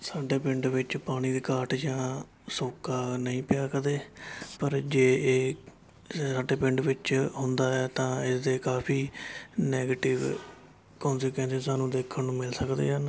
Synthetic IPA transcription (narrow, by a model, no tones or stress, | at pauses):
saːɖeːpɪ̃ɳɖʋɪt͡ʃpaːɽ̃iːd̪eːkaːʈd͡ʒãː | soːkːaːnəĩːpɪjaːkəd̪eːpəɾd͡ʒeːeː | aːɖeːpɪ̃ɳɖʋɪt͡ʃɦʊnd̪aːɛːt̪ãːɪsd̪eːkaːpʰiːnɛːɡeːʈɪʋ | kɔ̃ːnsekʋɛ̃ːnsɪsaːnũːd̪eːkʰənnũːmɪlsəkd̪ḛːɦən